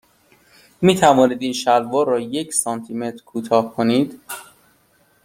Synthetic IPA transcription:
miːt̪ʰævɒːniːd̪iːnʃælvɒːɾɒːjecʰsɒːnt̪ʰime̞t̪ʰɾkʰuːt̪ʰɒːhkʰoniːd̪

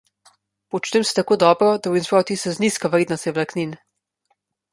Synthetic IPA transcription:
pɔt͡ʃnɛmsɛ̥t̪akoːd̪ɔːbɾɔd̪awinspɾawt̪isɛzniːskaʋɾiːd̪nast̪ɛʋlaknin

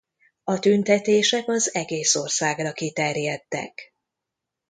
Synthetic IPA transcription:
ɒt̪ynt̪ɛt̪eːʃɛkɒzɛɡeːso̞rsaːɡrɒkit̪ɛrjɛt̪ːɛ̰k

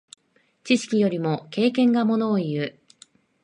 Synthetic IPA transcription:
t͡ɕiɕi̥kʲijo̞ɾʲimo̞ke̞ːkẽ̞ŋɡamo̞no̞ːiɯ

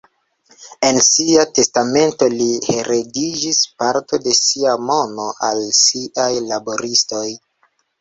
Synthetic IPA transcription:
e̞nsiate̞stame̞nto̞lihe̞ɾe̞did͡ʒispaɾto̞de̞siamo̞no̞ʔalsiʔajlabo̞ɾisto̞j

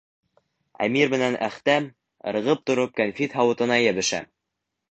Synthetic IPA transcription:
æ̰miɾmɘ̆nænæ̰χt̪æm | ɤ̰̆ɾɤ̆ʁɤp̚t̪ŏɾop̚kænfit̪ɦɑwɤ̆t̪ɤ̆nɑjæβɘ̆ʃæ̰

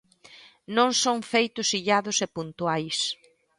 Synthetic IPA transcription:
nõŋsõŋfejt̪ʊsiʎaðʊsepunt̪uajs

